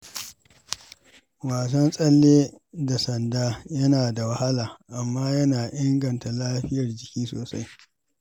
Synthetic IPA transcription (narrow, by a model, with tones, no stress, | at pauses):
waː˨sɐ˦nsʼɐ˦lːeː˦ | da˨sɐ˨ndaː˦jɐ˦naː˨da˨wɐ˦ha˦laː˨ʔa˨mːaː˦jɐ˦naː˨ʔɪ˦ŋɡɐ˨nta˨laː˦ɸɪ˦jɐ˨rd͡ʒɪ˨kʲiː˦soː˨sa̰˦j